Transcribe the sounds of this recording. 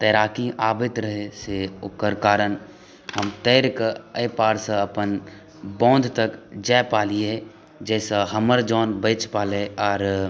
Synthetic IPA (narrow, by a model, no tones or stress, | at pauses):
t̪ɛːɾaːkiʔaːbɪt̪ɾəɦesekəɾkaːɾən | həmt̪ɛːɾkəpaːɾsə̃əpən | bɔ̃ːnd̪ʱt̪əkd͡ʒaːpaːliɛ̃ | d͡ʒɛːsaɦəməɾd͡ʒɔːnbəɪt͡ʃpaːleɔːɾ